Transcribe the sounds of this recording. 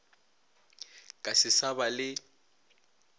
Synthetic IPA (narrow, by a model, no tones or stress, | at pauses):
kʼasɪsabalɪ